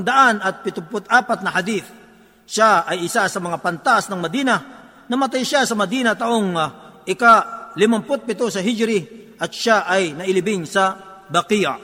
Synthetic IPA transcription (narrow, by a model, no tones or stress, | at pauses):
ŋd̪ɐʔanɐt̪̚pɪt̪ʊpʊt̪̚ʔaːpɐt̪̚nɐhɐd̪iθ | ʃaɐjɪsasɐmɐŋapɐnt̪aʔsnɐŋmɐd̪iːnɐ | nɐmɐt̪̬ajʃasɐmɐd̪inɐt̪ɐʔoŋʔɪkalɪmɐmpʊt̪̚pɪt̪osɐɦɪd͡ʒɾɪʔɐt̪̚ʃaʔɐjnɐʔɪlɪbɪŋsɐ | bɐkija̰